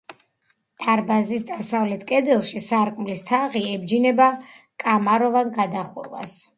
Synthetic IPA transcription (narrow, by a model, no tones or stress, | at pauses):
t̪ʰaɾbazisd̪asavlɛt̪ʰkʼɛd̪ɛlˠʃisaɾkʼmlist̪ʰaʁiɛbd͡ʒinɛba | kʼamaɾɔvanɡad̪aχṵɾva̰s